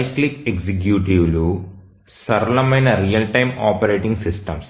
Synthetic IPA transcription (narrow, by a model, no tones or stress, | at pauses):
ɐjklikeksik̬juːʈiʋlu | sɐɾɐlɐmɐjnɐɾijɐlʈɐjmaːpɐɾeːʈiŋɡsisʈɐms